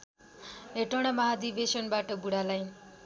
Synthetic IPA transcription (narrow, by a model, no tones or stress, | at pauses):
ɦeʈʌɽ̃ʌmʌɦad̪ibesʌnbaʈʌbuɽalaj